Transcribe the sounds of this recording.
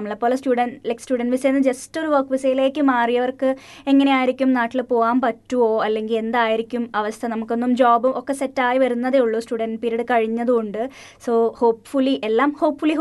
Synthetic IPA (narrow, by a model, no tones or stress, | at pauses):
ɐmːɐɭepːoːlɐsʈuːɖɐnleksʈuːɖɐnʋisejnːɨd͡ʑestoɾuʋɐrkːʋisejile̞ːkʲːɨmaːrijɐʋɐrkɨ | e̞ŋːɐneaːjiɾikʲːumnaːʈːilpo̞ːʋaːmpɐtːuo̞ːɐlːe̞ŋɡile̞nd̪aːjiɾikʲːumɐʋɐst̪ʰɐnɐmukːo̞nːumd͡ʑoːbumʔokːe̞se̞tːaːjiʋɐɾunːɐðeːuɭːoːsʈuːɽɐnɖpiːɾiɽɨkɐɻiɲːɐðuoɳɖɨ | so̞ːho̞ːpfulːiʔelːaːmho̞ːpfulːiɦ